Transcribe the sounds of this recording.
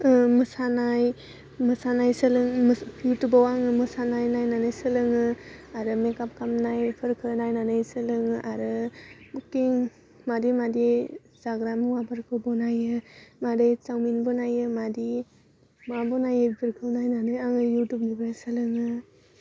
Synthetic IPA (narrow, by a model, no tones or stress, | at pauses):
ɯmɯsanaj | mɯsanajsɯlɯŋpʰutubawaŋɯmɯsanajnajnanɯjsɯlɯŋɯaɾɯmekap̚kamnajpʰɯɾkʰɯnajnanɯjsɯlɯŋʔaɾɯbukiŋ | madimadi | zaɡɾamɯwabʰɯɾkʰɯbɔnajɯmadɯjt͡ʃawminbɔnajɯmadi | mabɔnajɯbiɾkʰɯwnajnanɯjaŋɯjutup̚nibasɯlɯŋɯ